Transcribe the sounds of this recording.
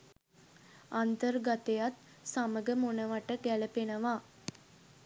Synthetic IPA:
ant̪ərɡat̪ejat̪ | saməɡəmonəʋaʈəkæləpenəʋaː

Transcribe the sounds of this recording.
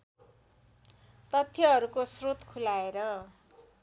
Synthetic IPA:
t̪ʌt̪ʰjʌɦʌɾukosrot̪kʰulaeɾʌ

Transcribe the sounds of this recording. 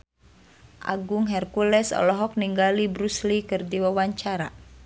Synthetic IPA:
ʔa̰ɡuŋɦɛrkulɛsɔ̰lɔɦɔk̚niŋɡalibɾuslikɨrdiwawaɲt͡ʃaɾa̰

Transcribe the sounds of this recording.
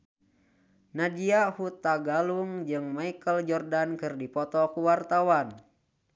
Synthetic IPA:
nad͡ʒiahut̪ːaɡaluŋd͡ʒɨŋmaikəld͡ʒɔrdankɨrdipɔt̪ɔkuwart̪awan

